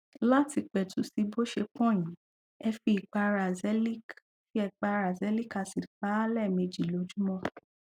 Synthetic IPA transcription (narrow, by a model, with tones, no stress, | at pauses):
la˦ti˧k͡pɛ˨tʰu˨˦si˧bo˦ʃe˧k͡pɔ̃˦˨j̃ĩ˨˦ | ɛ˧fi˧i˨k͡pa˧ɾa˨zɛ˨˦li˦k | fi˦ɛ˧k͡pa˧ɾa˨zɛ˨˦li˦ka˦˨si˨k͡pa˨˦lɛ˦˨me˧d͡ʒi˨lo˨˦d͡ʒu˦mɔ̃˦